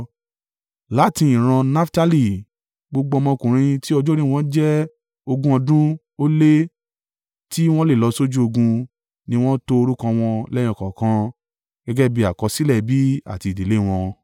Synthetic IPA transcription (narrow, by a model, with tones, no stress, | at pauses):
la˨˦tĩ˧i˨ɾ̃ã˧na˦fta˦li˨ | ɡ͡bo˧ɡ͡bo˧mɔ̃˧kũ˨ɾ̃ĩ˧ti˦ɔ˧d͡ʒo˦ɾĩ˦˨w̃ɔ̃˧˦d͡ʒɛ˦ | o˧ɡũ˧˦ɔ˧dũ˦ | o˦le˦ | ti˦w̃ɔ̃˦le˦˨lɔ˨˧so˦d͡ʒu˦o˧ɡũ˧ | nĩ˧˦w̃ɔ̃˦to˧o˧ɾu˦kã˧w̃ɔ̃˧lɛ˦j̃ɔ̃˧˨kã˨kã˦ | ɡ̥ɛ˦ɡɛ˦bi˧˦a˨kɔ˧si˦lɛ˦˨bi˨˦a̰˨ti˨˧˨de˨le˦˨w̃ɔ̃˧